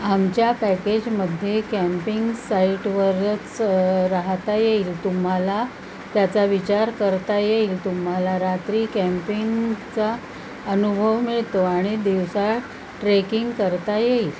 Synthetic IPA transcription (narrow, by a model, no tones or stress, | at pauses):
amt͡ɕjapæked͡ʑməd̪ʱjekæmpiŋɡsaiʈʋəɾət͡sɾaɦt̪ajeilt̪um̤ala | t̪jat͡saʋit͡ɕaɾkəɾt̪ajeilt̪umɦalaɾat̪ɾiːkæmpiŋɡt͡sa | ənubʱəʋmiɭt̪oaɽ̃id̪iʋsa | ʈɾekiŋɡkəɾt̪ajeil